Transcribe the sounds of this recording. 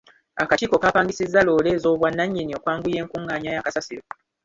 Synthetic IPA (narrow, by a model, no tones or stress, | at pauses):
akatiːko̞kaːpaːŋɡisizːalo̞ːle̞ːzo̞ːβwanːaɲːinio̞ːkwaːŋɡuje̞ːŋkuŋɡaːɲajakasasiɾo̞